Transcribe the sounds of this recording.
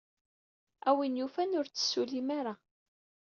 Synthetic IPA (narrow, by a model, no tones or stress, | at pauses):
æwinjufænʊɾt͡sːə̥sːulimaɾa